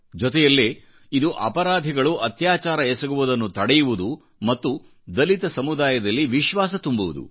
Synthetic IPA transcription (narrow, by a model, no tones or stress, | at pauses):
d͡ʒɔt̪ɛjɐlːe | id̪uʔɐ̰pɐɾaːd̪ʱiɡɐɭuʔɐt̪jaːt͡ʃaːɾɐɛsɐɡuʋud̪ɐnːut̪ɐɽɛjuʋud̪u | mɐt̪ːu | d̪ɐlit̪ɐsɐmud̪aːjɐd̪ɐlːiʋiʃʋaːs̬ɐt̪umbuʋud̪ṵ